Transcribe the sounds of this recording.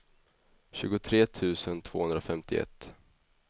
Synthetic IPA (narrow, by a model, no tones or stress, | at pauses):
ɕʉ̟ːɡʊt̪ʰɾeːt̪ʰʉ̟ːsənt̪ʰv̥o̰ːhɵnd̪ɾafɛmt̪ɪɛ̰t̪ː